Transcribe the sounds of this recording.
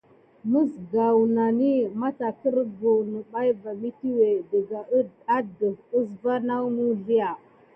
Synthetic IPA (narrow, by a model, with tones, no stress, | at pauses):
mu˦sɡa˨wna˨ni˦ma˦ta˨kə˦ɾbu˨nə˨ɓa˦jba˨mi˦ti˦we˨də˨ɡa˨˦a˦də˨və˦sva˦na˦wmu˦ɮi˦ja˨